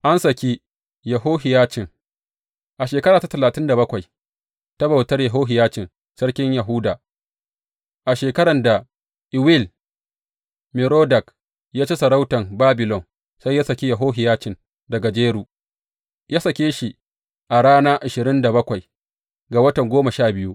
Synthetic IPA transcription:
ʔa˦nsɐ˨kʲi˦ | jɐ˨ɦoː˦ɦɪ˨jaː˦t͡ʃɪ˨ŋ | ʔa˨ʃeː˨kɐ˦ɾaː˨ta˦tɐ˨laː˨tɪ˦nda˨bɐ˦kʷa˨j | ta˦bɐ˨wtɐ˦rjɐ˨ɦoː˦ɦɪ˨jaː˦t͡ʃɪ˨n | sɐ˦ɽkʲɪ˦ɲja˨ɦʊː˦daː˨ | ʔa˨ʃeː˨kɐ˦ɽɐ˨nda˨ | ʔɪ˨wɪ˦˨l | mɪ˨ɾoː˦dɐ˨k | jaː˦t͡ʃe˦sɐ˨ɾa˦wtɐ˨mbaː˦bɪ˨lɔ˨n | sa˦jːa˦sɐ˨kʲe˦jɐ˨ɦoː˦ɦɪ˨jaː˦t͡ʃɪ˨n | dɐ˨ɡa˨d͡ʒeː˦ɽuː˨ | jaː˦sɐ˨kʲeː˦ʃi˨ | ʔa˨ɽaː˦naː˦ʔa˨ʃɪ˨ɾɪ˦nda˨bɐ˦kʷa˨j | ɡa˨wɐ˦tɐ˨ŋɡʷoː˦mɐ˨ʃaː˦˨bɪ˦ju˦ʔ

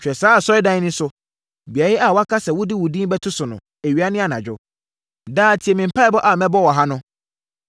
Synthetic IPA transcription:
t͡ɕᶣɛ˨saː˦˨sɔ˦ɪ˦dã˦nɪ̃˦sʊ˦ | bi˨a˨˦ɪ˦a˨wɔ˦a˦kʰa˦sɛ˨wʊ˦di˦wʊ˨dĩ˦bɛ˦tʰʊ˦sʊ˨nʊ̰̃˨ | e˨ɥi˨˦a˦nɪ̃˦a˨nã̰˨d͡ʑᶣʊ̰˦ | daː˦˨tʰi˨ɛ˨mɪ̃˨m̩˨pʰa˦ɪ˦bɔ˦ʔa˨mɛ̃˦bɔ˦˨wɔ˨ɦã˦nʊ̃˦

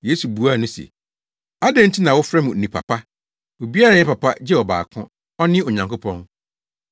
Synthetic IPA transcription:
je˦su˨bu˨˦a˦˨nʊ̃˦sḛ˨ | a˦dɛ̃˦n̩˦tʰi˦nã˨wʊ˦fɾɛ˦mũ˨nĩ˨pʰa̰˨pʰa˦ | wo˨bi˦a˦ɾã˨˦ɲɛ˦pa˨pa˦d͡ʑɛ˦ɔ˨ba̰ː˨kʰʊ̃˦ | ɔ˦nɪ̃˦ɔ˨ɲã˨ŋko˦pʰɔ̃˦n

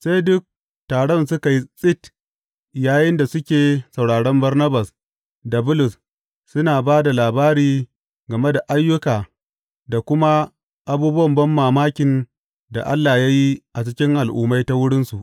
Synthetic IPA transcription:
sa˦jdʊ˦k̚ | taː˨ɽɔ˦˨nsʊ˦ka˨ji˦sʼɪ˦t | jaː˨jɪ˦nda˨sʊ˦kʲeː˨sɐ˨wɽaː˨ɽɔ˦mbɐ˦rnɐ˦ba˨s | da˨bʊ˦lʊ˨s | sʊ˦naː˨baː˦da˨laː˨baː˦ɽiː˦ | ɡɐ˨me˦da˨ʔa˦jːʊ˦kaː˨ | da˨kʷʊ˦ma˦ | ʔa˨buː˦bʊ˦wɐ˨mbɐ˦mːaː˨maː˦kʲɪ˨n | da̰˨ʔa˦lːaː˨ja˦ji˦ʔa˨t͡ʃɪ˦kʲɪ˦ŋʔa˨lʔṵː˦ma˦jta˦wʊ˦ɽɪ˦nsu˨ʔ

